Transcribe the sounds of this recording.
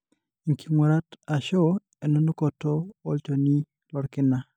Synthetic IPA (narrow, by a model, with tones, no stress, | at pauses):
i˨ŋki˨ŋo˨ɾa˦ta˨ʃɔ˦ | ɛ˨no˦no˦kɔ˨toː˦lt͡ʃo˨ni˦ | lɔ˨ɾkɪ˦na˦